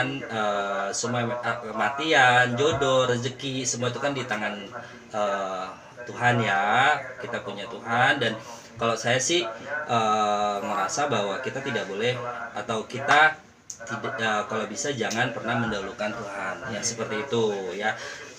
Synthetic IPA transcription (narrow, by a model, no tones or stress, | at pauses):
nəsəmuakəmat̪iand͡ʒodoɾəd͡ʒəkisəmuait̪ukandit̪aŋan | əː | t̪uɦanjakit̪apuɲat̪uɦandan | kalasajasɪhʔəːŋəɾasabaɦwakit̪at̪idakbolɛhat̪awkit̪a | t̪idəkalawbisad͡ʒaŋanpərnahməndaulukant̪uɦanjasəpərt̪iːt̪uja